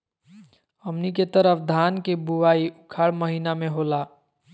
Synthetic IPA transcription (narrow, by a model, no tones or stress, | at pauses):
əmniket̪əɾəpʰd̪ʱaːnkebuʋaːiʔʊkʰaɭməɦiːnamẽɦola